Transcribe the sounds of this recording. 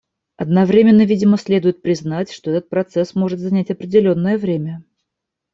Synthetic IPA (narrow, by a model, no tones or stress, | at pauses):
ɐd̪nɐvɾʲemʲɪnːəvʲidʲɪməsʲlʲe̞d̪ʊjɪt̪̚pɾʲɪznatʲʂt̪o̞ɛt̪ət̪̚pɾɐt̪sɛsmo̞ʐɨt̪zɐnʲætʲɐpɾʲɪdʲɪlʲo̞nːəjəvɾʲemʲə